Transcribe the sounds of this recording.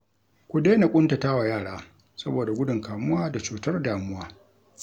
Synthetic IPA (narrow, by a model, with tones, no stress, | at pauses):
kʷʊ˦deː˦na˨kʷʼʊ˦nta˨taː˦wa˨jaː˦˨ɽaː˦ | sɐ˦boː˨da˨ɡʷʊ˦dʊ˨ŋkaː˨mʊ˦waː˦da˨t͡ʃuː˨tɐ˦rdaː˨mʊ˦waː˦